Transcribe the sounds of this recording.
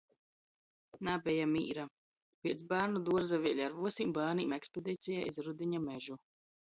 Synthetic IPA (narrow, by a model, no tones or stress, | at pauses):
nabʲɛjamḭːɾa | pʲiɛt̪sbaːɾnud̪uɔɾzavʲiɛlʲaɾvuɔsiːmbaːniːmɛkspɛd̪iːt̪sijaizɾud̪iɲamɛʒu